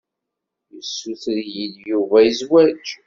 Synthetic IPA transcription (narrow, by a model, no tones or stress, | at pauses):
jəsːuθəɾjiðjuvæjəzwæd͡ʒ